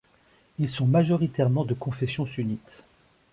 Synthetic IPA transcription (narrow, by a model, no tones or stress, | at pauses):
ilsɔ̃maʒɔʁit̪ɛʁmɑ̃d̪əkɔ̃fɛsjɔ̃synit̪